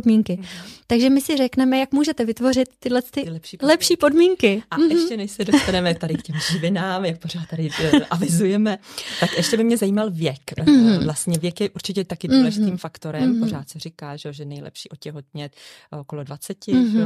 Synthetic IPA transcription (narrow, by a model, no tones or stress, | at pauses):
dmiŋkɪt̪aɡʒɛmɪsɪrɛknɛmɛjakmuːʒɛt̪ɛvɪt̪vo̞rɪt̪ːɪdlɛnst̪ɪɪlɛpʃiːlɛpʃiːpo̞dmiːŋkɪaɛʃcɛnɛʃsɛdo̞st̪anɛmɛt̪adɪkcɛmʒɪvɪnaːmjak̚po̞ɾaːt̪̚tːadɪʔavɪzujɛmɛt̪akʔɛʃcɛbɪmɲɛzajiːmalvjɛkvlast̪ɲɛvjɛkjɛʔuɾt͡ʃɪcɛt̪akɪduːlɛʒɪt̪iːmfakt̪o̞ɾɛmpor̝aːt̪sɛrɪkaːʒɛoʒɛnɛjlɛ̰pʃiːʔocɛɦot̪̚ɲɛt̪ | okolo̞dvat͡sɛcɪʒɛ